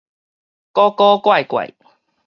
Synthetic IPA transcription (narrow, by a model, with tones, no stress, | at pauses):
kɔ˦kɔ˦kwa˥˨jkwa̰˨˩j